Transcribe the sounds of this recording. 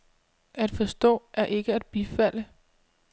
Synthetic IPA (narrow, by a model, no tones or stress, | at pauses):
æd̥fɒ̽sd̥ɔ̰̽ːʔæɐʔe̝ɡ̥əæd̥̚b̥ifæl̰ə